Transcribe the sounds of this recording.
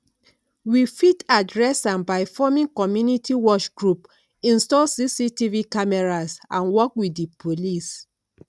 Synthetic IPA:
wifitadɹɛsãnbaɪfɔmĩnkɔmjunitiwɔt͡ʃɡɹup | ĩnstɔlsisitivikamɛɹasãnwɔkwidipʰolis

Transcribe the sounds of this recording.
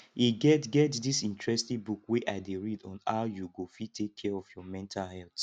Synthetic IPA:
iɡɛtɡɛtdisĩntɹɛstĩŋbukweʔaɪdeɹidɔ̃n̩a̰ʊjuɡofitʰekʰːɛɔfjɔmɛ̃ntʰalhɛlt

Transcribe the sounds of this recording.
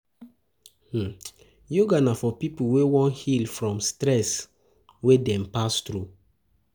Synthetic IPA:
h̩ | joɡanafɔpipuwewɔ̃nhilfɹɔ̃mstɹɛs | wedɛ̃mpastɹu

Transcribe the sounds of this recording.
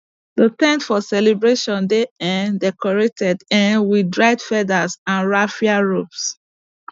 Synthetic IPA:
ðətɛ̃ndfɔsɛlebɹeʃɔ̃ndeɛ̃ndɛkɔɹetʰɛdɛ̃nwidɹaɪdfɛdazãnɹafiaɹops

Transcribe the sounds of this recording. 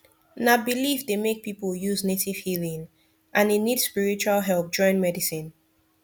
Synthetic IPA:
nabilivdemek̚pipəlˠjuznetiv̥hilĩŋ | ʔãnenid̥spiɹit͡ʃualɦɛlˠp̚d͡ʒɔ̃ɪ̃nmɛdisĩn

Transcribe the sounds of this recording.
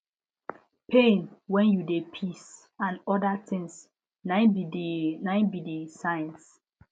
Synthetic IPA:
pʰẽnwɛ̃njudepʰis | ãnɔdatɪ̃ŋs | na | nãɪ̃nbidesajɛ̃ns

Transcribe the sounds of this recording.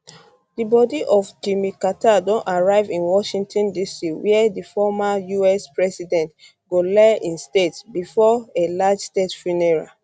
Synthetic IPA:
dibɔdiʔɔfd͡ʒimikatadõntaɹaɪvĩnwɔʃĩŋtʰɔ̃ndisiwiɛdifɔmajuɛspɹɛsidɛ̃nt | ɡolɛʔĩnstetsbifɔelad͡ʒstetfinɛɹa̰

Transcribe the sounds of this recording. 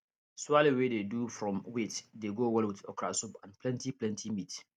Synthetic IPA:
swalewededufɹɔ̃mwetdeɡowɛlwɪθɔkɹa̰supãnplɛ̃ntiplɛ̃ntʰimit

